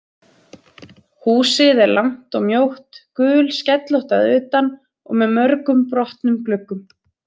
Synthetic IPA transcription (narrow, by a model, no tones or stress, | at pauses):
huːsɪðɛɾlam̥t̪ɔɣmjowht̪kʏːlscɛt̪lowht̪aðʏːt̪an | ɔ̰ɣmɛðmœɾkʏmpɾɔht̪nʏmklʏkːʏm